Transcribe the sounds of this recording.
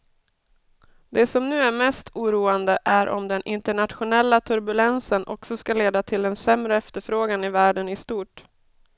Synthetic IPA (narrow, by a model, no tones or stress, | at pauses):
d̪ɛsɔmnʉ̟ːæɾmɛst̪ʰuːɾuːand̪əʔæɾʔɔ̰md̪ɛnʔɪnt̪əɳat̪ɧʊnɛlːat̪ʰɵɾbɵlɛnsənʔɔ̰ksɔskaleːd̪at̪ʰɪld̪ɛnsɛmɾəɛft̪əɾfɾoːɡanɪvæːɖənɪst̪uːʈ